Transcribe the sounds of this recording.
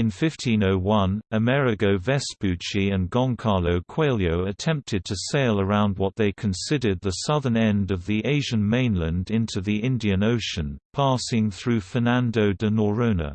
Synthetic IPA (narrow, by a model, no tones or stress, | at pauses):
ɨ̃nfɪftʰĩnoʊwʌ̃nɨmɛɹɨkoʊvɛspʉt͡ʃiɨ̃nɡɑ̃ŋkʰɑɹloʊkʰw̥eɪlˠjoʊɨtʰɛ̃mp̚tʰɨd̚tʰɨseɪlˠə˞ãʊ̃nd̚wʌt̪̚ðeɪkʰɨ̃nsɪɾə˞d̪̚ðəsʌðə˞nɛ̃ndʌvðiʔeɪʒɨ̃nmẽɪ̃nlɨ̃ndɪ̃ntʰʉðiɪ̃ndiɨ̃noʊʃɨ̃npʰɑsɪ̃ŋθɹʉfənæ̃ndoʊdɨnəɹə̃ʊ̃nə̰